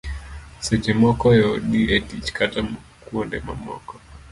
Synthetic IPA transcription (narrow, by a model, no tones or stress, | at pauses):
sɛt͡ʃɛmɔkɔjɔɗiʔɛtit͡ʃkatam | kuɔndɛma̰mɔ̰kɔ